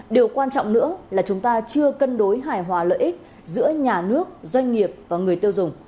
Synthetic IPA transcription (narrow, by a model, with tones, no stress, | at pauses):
ɗe˨˩əwkwaː˧nt͡ɕɔ̰˧˨wŋ͡mnɨ̰˧˥əlaː˨˩t͡ɕʊ˨˦ŋ͡mt̪aː˧t͡ɕɨ˧əkə˧nɗo˨˦jɦaː˧˩jɦwaː˨˩˦lə̰ː˧˨ʔi˦˥k̟̚ | zɨ̰˧˥əɲaː˨˩nɨ˦˥ək̚zwa˧jŋ̟ŋi˨˩əp̚vaː˨˩ŋɨ˨˩əjt̪i˧ə˧wzʊ˨˩ŋ͡m